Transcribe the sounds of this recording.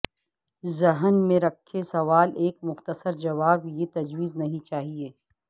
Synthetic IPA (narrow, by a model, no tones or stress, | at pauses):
zɐɦənmẽɾɐkʰːesɐʋaːleːkmʊxt̪əsəɾd͡ʒɐʋaːbjet̪ɐd͡ʒwiːznɐɦĩt͡ʃaːɦieː